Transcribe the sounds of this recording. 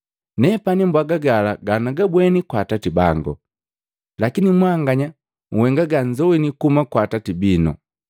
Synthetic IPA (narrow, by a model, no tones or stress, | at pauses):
nɛpanimbwaɡaɡalaɡanaɡabwɛnikwaːtatiba̰ŋɡɔ̰ | lakinimwaːŋɡaɲa | ŋ̩wɛŋɡaɡaɲd͡ʒɔwinikumakwaːtatibinɔ̰